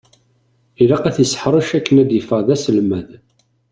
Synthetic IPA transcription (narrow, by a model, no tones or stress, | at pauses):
ilɑqæθisə̥ħɾˤəʃækːənæd̪jəfəʁðæsəlmæð